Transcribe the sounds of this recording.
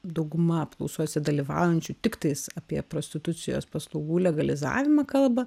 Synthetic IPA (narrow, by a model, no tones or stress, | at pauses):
d̪ɐʊɡʊmɐpklˠɔʊsuɔsʲɪd̪ɐlʲiʋɑ̰ːˑʊjɛnʲt͡ʃʲut̪ʲɪkt̪ɐɪsɐpʲiɛpɾoːsʲt̪ʲɪt̪ʊt͡s̪ʲɪjo̰ːspɐslˠɐʊɡuːlʲɛɡɐlʲɪzɑ̰ːʋʲɪmɐkɐlˠbɐ